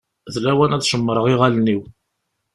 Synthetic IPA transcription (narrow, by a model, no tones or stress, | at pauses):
ðlæwænæðʃəmːəɾˤəʁiʁælniw